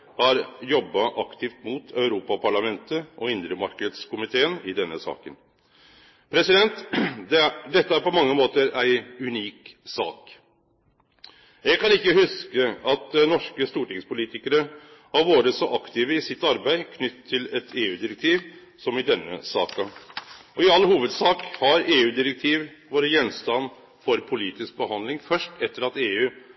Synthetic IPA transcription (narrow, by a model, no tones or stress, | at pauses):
hɑɾjɔbːɑʔɑkt̪ʰɪːft̪mʊt̪ʰœʉɾuːpɑpʰɑɭɑmɛnt̪əʔɔɪnd̪ɾəmɑɾkəd̪skʰʊmɪt̪ʰeːənɪd̪ɛnːəsɑ̰ːkən | pʰɾɛsɪd̪ɛnt̪d̪d̪ɛt̪ːəæɾpɔmɑŋːəmoːt̪əɾæɪʉniːksɑ̰ːk | jɛɡ̚kʰɑnɪkːəhʉskəɑt̪̚nɔʂkəst̪uːʈɪŋspʰʊliːt̪ɪkəɾə | ɑʋʋoːɾəsɔʔɑkt̪ʰiːʋəɪsɪt̪ːɑɾbæɪkʰnʏt̪ʰːɪlɛt̪ʰeːʉːd̪ɪɾɛk̚t̪ʰiːʋ | sɔmɪd̪ɛnːə̰sɑ̰ːkəɔɪɑlːhuːʋəd̪sɑːkhɑɾeːʉːd̪ɪɾɛk̚t̪ʰiːʋʋoːɾəjɛnst̪ɑnː | fɔɾpʰʊliːt̪ɪsk̚bəhɑnd̪lɪŋfœʂʈɛt̪ːəɾɑt̪eːʉː